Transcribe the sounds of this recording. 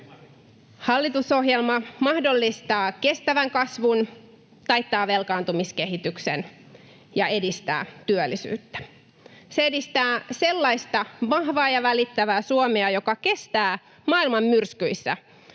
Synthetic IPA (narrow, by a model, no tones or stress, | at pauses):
hɑlːit̪uso̞ɦjelmɑmɑhdo̞lːist̪ɑːke̞st̪æʋæŋkɑsʋun | t̪ɑjt̪ːɑːʋe̞lkɑːnt̪umiskehit̪yksḛn | jɑe̞dist̪æ̰ːt̪yølːˑisy̰ːt̪ːæ̥ | seedist̪æːse̞lːɑist̪ɑʋɑhʋɑːjɑʋælit̪ːæʋæːsuomeɑjo̞kɑke̞st̪æː | mɑːilmɑmːyrskyisːæ̰